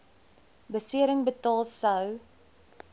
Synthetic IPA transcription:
bəsiəɾəŋbətɑːlˠsəw

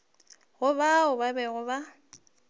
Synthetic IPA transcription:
ɣʊbaʊbabɛɣʊba

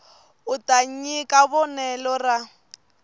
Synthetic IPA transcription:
ʊtʼaɲ̩ɲikʼabɔnɛlɔra

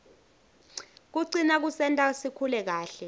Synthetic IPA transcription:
k̬uǀinak̬usɛntʼasikʰulɛk̬aːɬɛ

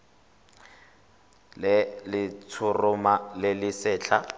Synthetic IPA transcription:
lɪlɪt͡sʰʊrʊmalɪlɪsɛːt͡ɬʰa

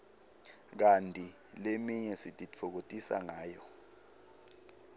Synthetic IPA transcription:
k̬antʼilemiɲɛsitʼit͡fʰok̬otʼisa̰ŋaːjɔ

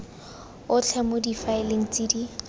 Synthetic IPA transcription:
ʊt͡ɬʰɛmodifaɪleŋ̩t͡sʼidi

